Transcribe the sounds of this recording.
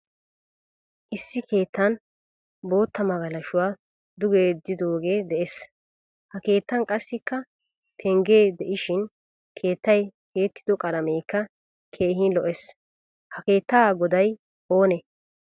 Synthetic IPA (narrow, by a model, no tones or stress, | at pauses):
ʔɪsːɪkʰe̞ːt̪ʰːɐn | bo̞ːt̪ːɐmɐɡɐlɐʃʊwaː | d̪ʊɡeːd̪ɪd̪o̞ːɡe̞ːd̪ɛʔes | hɐke̞ːt̪ːɐnkʼɐsːɪkːɐ | t̪ʰɛŋɡe̞ːd̪ɛʔɪʃɪn | kʰe̞ːt̪ːɐjke̞ːt̪ːɪ̥d̪ɔkʼɐlɐmeːkːɐ | kʰe̞ːɦiːnlɔʔɛs | hɐke̞ːt̪ːaɡɔd̪ɐj | ʔo̞ːnɛ